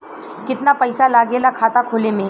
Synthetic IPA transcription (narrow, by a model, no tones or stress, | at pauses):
kɪt̪napɐɪsalaːɡelakʰaːt̪akʰoːlemẽ